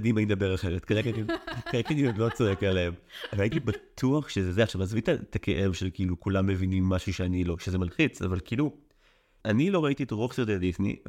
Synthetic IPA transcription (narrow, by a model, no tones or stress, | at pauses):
dimaimd̪ɐbeʁaχeʁet̪kaʁeketikaleket̪iotlo̞t͡soekaleemveaitibat̪ʰuaχʃezzeaχʃavmazvit̪atake̞̰ʔe̞vʃelkiilukulamːe̞vinimːaʃuʃeanilo̞ʃezemalχit͡sa̰valkilu | anilo̞ʁaitietʁoχseʁd̪edisnḭ